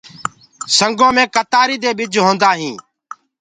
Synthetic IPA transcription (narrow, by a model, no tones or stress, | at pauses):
səŋɡõːmẽːkət̪aːɾiːd̪eːɓɪd͡ʒʱɦõːnd̪aːɦĩː